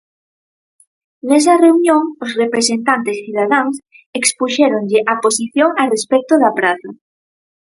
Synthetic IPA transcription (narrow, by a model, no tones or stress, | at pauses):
nes̬ɐreunjõŋosrepɾesent̪ant̪esθuð̞aðaŋs | ekspuʃeɾoŋʎeʔaposiθjoŋarespɛk̚t̪oðapɾaθa